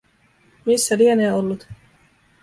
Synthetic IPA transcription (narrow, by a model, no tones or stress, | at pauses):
misːæɾieneːolːut̪